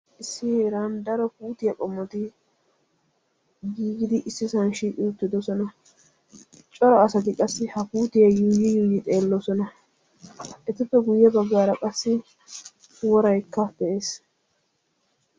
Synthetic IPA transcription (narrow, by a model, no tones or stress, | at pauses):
ʔɪsːɪheɾand̪ɐɾɔfuːt̪ɪjɐkʼɔmːɔt̪ɪ | ɡiːɡɪd̪ɪʔɪsːɪsɐnʃiːkʼɪʊt̪ːɪd̪ɔsɔnɐ | t͡ʃʼɔɾɔɐsɐt̪̬ɪkʼɐsːɪhɐpuːt̪ɪjɐjiːɡɪjiːɡɪt̪ʼe̞ːlːɔsɔnɐ | ʔɛt̪ɪpːɛɡʊjːɛbɐɡːaːɾɐkʼɐsːɪ | wɔɾɐjkːɐb̥ɛʔeːs